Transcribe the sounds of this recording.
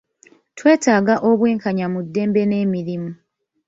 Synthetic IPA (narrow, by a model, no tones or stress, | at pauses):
twe̞ːtaːɡaʔoβweːŋkaɲamudːe̞ːmbe̞ne̞ːmiɾimu